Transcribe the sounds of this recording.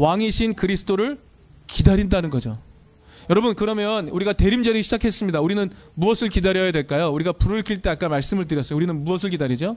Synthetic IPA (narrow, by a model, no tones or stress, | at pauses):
waŋiɕʰinkɯɾisʰɯ̥t͈oɾɯɭ | kidaɾindanɯnɡʌd͡ʑo | jʌɾʌbɯnkɯɾʌmjʌnuɾiɡate̞ɾimd͡ʑʌɾiɕʰid͡ʑakʰe̞s͈ɯmɲidauɾinɯnmuʌsʰɯɭkidaɾjʌjadwe̞ɭk͈ajouɾiɡapuɾɯɭkʰiɭt͈e̞ak͈amaɭs͈ɯmɯɭtɯɾjʌs͈ʌjouɾinɯnmuʌsʰɯɭkidaɾid͡ʑo